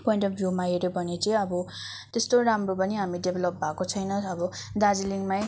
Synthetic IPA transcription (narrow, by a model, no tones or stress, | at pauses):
poĩɳʈʌpʰbʱjumaeɾobʱʌnet͡sʌĩʌbʌ | t̪est̪oɾamrop̬ʌniɦamiɖebʱelʌp̚bʱakot͡sʰʌjnʌʌbʌd̪ad͡ziliŋmaj